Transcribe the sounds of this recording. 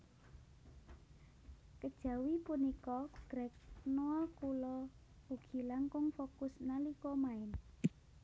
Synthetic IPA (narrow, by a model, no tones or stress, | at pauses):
kəd̥ʒ̥ä̤wipunikɔɡ̥ɾɛk̚noɔkulɔ | uɡ̥i̤laŋkʊŋfokʊsnalikɔmaɪn